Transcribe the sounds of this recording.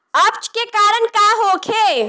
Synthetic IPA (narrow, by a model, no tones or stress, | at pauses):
ɐp̚t͡ʃkekaːɾənkaːɦoːkʰeː